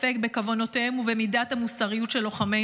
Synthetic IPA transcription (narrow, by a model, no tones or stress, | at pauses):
fe̞k̚be̞kavo̞no̞tehemuvemidathamusaʁijutʃelːo̞χame